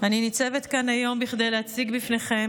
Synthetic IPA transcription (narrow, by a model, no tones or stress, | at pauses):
aninit͡se̞vetkanajo̞mbiχd̪ejleat͡siɡbifne̞χe̞m